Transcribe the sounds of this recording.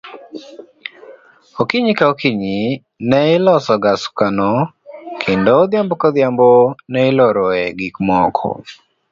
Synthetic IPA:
okiɲikaokiɲi | nɛɪlɔsɔɡaskanɔ | kʰendod̪ɪjambɔkɔd̪jambonɛɪlɔɾɔɛɡikmɔkʰɔ̰

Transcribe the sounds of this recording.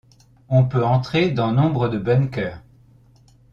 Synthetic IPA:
ɔ̃pøɑ̃t̪χed̪ɑ̃nɔ̃bʁəd̪əbɛnkʲœːʁ

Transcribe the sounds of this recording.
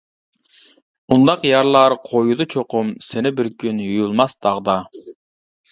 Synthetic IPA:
und̪ɑqjɑɾlˠɑɾqʰojud̪ɑt͡ʃʰoqʊmsɪnɪbɪɾkʰʲynjujulˠmɑsd̪̥ɑʁd̪ɑ

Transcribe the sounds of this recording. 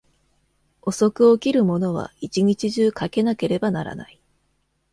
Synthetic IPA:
o̞so̞kɯ̟okʲiɾɯ̟mo̞no̞β̞a̰it͡ɕiɲ̟it͡ɕiʑɨːkake̞nake̞ɾe̞banaɾa̰na̰i

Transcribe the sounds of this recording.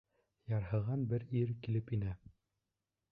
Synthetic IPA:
jɑɾɦɤ̆ʁɑnbɘɾiɾkilɘpinæ

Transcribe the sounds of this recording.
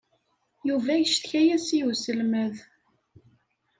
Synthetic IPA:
juvæjəʃt̪çæjæsiusəlməð

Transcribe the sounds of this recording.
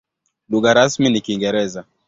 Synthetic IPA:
luɣaɾasminikiŋɡɛɾɛza

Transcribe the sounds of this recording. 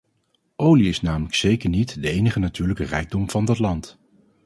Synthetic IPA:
ʔowliɪsnaːmələksejkəɹnitdəejnəχənatyːɹləkərɛjɡ̚dɔmv̥ɑndɑtlɑnt

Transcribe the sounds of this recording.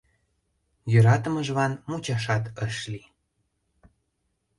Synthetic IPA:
jøɾɑt̪əməʒβɑnmut͡ɕɑʃɑt̪əʃli

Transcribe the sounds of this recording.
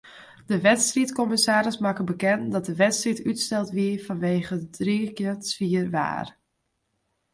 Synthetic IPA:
d̥əʋɛtstritkɔmɪsaːɾəsmakəbəkɛndɑt̚dəʋɛtstritytstɛlˠtʋiəfɑnʋeːɣədrikəsfiərʋa̰ːr

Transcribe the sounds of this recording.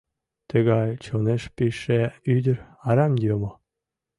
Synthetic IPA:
t̪ə̆ɣɑjt͡ɕoneʃpiʃeyd̪ʲə̆ɾɑɾɑmjomo

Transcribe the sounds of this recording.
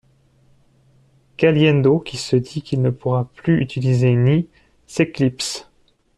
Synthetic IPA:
kaljɛnd̪okʲisəd̪ikʲilnəpuʁaplyyt̪ilizeni | seklips

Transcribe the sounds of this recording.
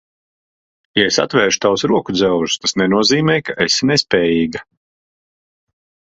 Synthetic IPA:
jaesa̰t̪vɛːʃu̥t̪awsɾuɔkud̪zɛwʒu̥st̪asnɛnuɔziːmɛjkaʔesʲinɛspʲɛːjiːɡa

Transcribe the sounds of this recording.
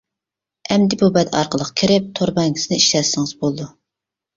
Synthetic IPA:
ɛmd̪ɪbubɛd̪ɑ̰ɾqəlˠəqkʲʰiɾɪp̚t̪ʰoɾbɛŋkʰʲi̥snɪiʃlɛsːɪŋɨzbolˠd̪u

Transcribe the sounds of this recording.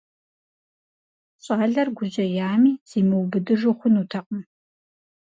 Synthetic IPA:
ɕʼɑːɮɐrɡʷʊd͡ʒɐjaːmiːz̥iːmɨwbɨdɨʐɨχʷʊnuːtʰɐqʼəm

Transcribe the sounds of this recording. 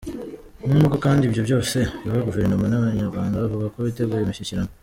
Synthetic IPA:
numuɡokaːndibjo̞bjo̞ːse̞aβaɡuve̞ɾnomanaβaɲaɾɡwaːŋɡaβoβakoβite̞ɡuːɾemiçiciɾano

